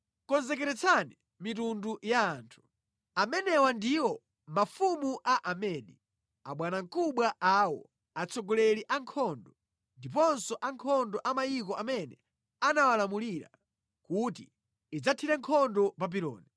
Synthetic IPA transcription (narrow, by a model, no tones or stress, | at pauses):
kɔnzɛkɛɾɛt͡sʰani | mitundujaːntʰu̥ | amɛnɛwandiwɔ | mafumuʔaʔamɛɗi | aɓwanaŋkuɓwaʔaːwɔ | at͡sɔɡɔlɛɾiʔaŋkʰɔndɔ | ndip̬ɔnsɔʔaŋkʰɔndɔʔamajikɔʔamɛnɛ | anawalamuliɾa̰ | kutiː | d͡zatʰiɾɛŋkʰɔndɔpap̬iɾɔ̰ːni